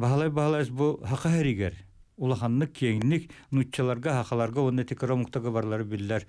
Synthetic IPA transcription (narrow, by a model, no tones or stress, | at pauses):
bɑɦɑlˠɑjbɑhɑlˠɑjzbuɦɑqɑɦæɾiɡæɾ | ulˠɑχɑnːɯkʲʰːiɛŋnɪknutt͡ɕːɑlˠɑɾɡɑɦɑqɑlˠɑɾɡɑwond̪ɑt̪ikɾomkt̪ɑɡɯbɑɾlˠɑɾɯbillæɾ